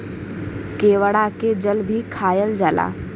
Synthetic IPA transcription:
keːʋəɽaked͡ʒəlbʱikʰaːjəld͡ʒaːla̰ː

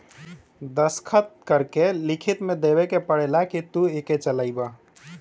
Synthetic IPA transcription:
d̪əskʰət̪̚kəɾkelikʰit̪med̪eβekepəɽelakit̪ueket͡ʃəlaɪba

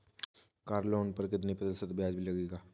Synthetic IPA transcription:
kaːɾloːnpɐɾkɪd̪̬nipət̪əsət̪bjaːd͡ʒbʱilɐɡeːɡaː

